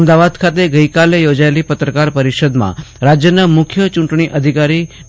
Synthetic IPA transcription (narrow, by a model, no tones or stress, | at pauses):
əmd̪aʋad̪kʰat̪eɡəikalejod͡ʒaelipət̪ɾəkaɾpəɾiʃəd̪mã̰ɾad͡ʒjənamʊkʰjət͡ʃũɳʈɳiʔəd̪ʱikaɾi